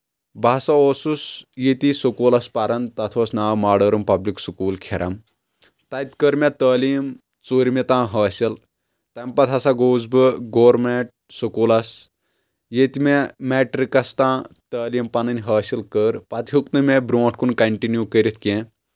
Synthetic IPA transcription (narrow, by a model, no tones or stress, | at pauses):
baːsɐoːsusjet̪isokoːlɐspɐɾɐnt̪ɐt̪ʰoːsnaːwmaːɖɐɾɐmpɐbliksukuːlkʰeɾʔɐm | t̪ɐt̪kəɾmet̪əːliːm | t͡soːɾʲimet̪ãːɦɐːsɐl | t̪ɐmpɐt̪ʰɐsaɡoːzbɨɡoːɾmeʈ̚sokuːlɐs | jet̪imemeːʈɾikɐst̪ãːt̪əːlimpɐnɐnʲɦɐːsilkəɾpɐt̪ʰɦuk̚nɨmebɾõːʈʰkunkɐɳʈinjukəɾʲit̪ʰkẽ